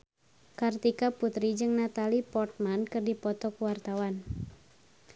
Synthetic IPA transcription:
kart̪ikaput̪ɾid͡ʒɨŋnat̪alipɔrt̪̚mankɨrdipɔt̪ɔkuwart̪awan

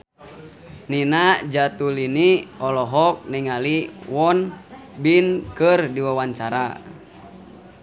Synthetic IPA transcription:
ninad͡ʒat̪uliniɔlɔɦɔk̚niŋaliwɔnbinkɨrdiwawaɲt͡ʃaɾa̰

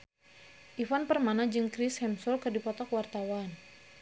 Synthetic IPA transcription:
ʔifanpərmanad͡ʒɨŋkɾishɛmsɔlkərdipɔt̪ɔkwart̪awan

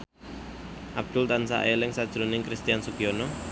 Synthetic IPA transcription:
ʔab̚d̪̥ʊlt̪ansa̰ʔelɪŋsad̥ʒ̥ɾonɪŋkɾist̪ijansukiɔnɔ

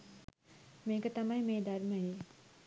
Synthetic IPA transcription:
meːkət̪amɐjmeːd̪ɐrməjeː

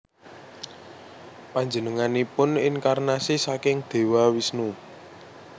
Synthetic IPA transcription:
paɲd͡ʒənəŋanipʊninkarnasisakɪŋd̪̥e̤wawisnu

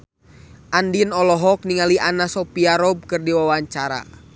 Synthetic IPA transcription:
ʔandinɔlɔɦɔk̚niŋaliʔanasɔpiaɾɔb̚kɨrdiwawaɲt͡ʃaɾa̰

